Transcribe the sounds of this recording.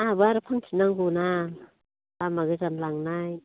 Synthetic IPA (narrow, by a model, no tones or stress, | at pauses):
abɯaɾɯpʰaŋtʰinaŋɡuna | lamaɡɯzanlaŋnaj